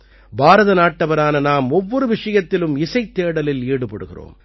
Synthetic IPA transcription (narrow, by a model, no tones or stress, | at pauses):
bʱaːɾɐðɐnaːʈːɐʋɐɾaːnɐnaːmɔʋːɔɾɯʋɪʂɐjɐt̪ːɪlɯmɪsɐɪt̪ːeːɽɐlɪliːɽɯpɐ̰ɽɯ̰ɣɪ̰ro̰ːm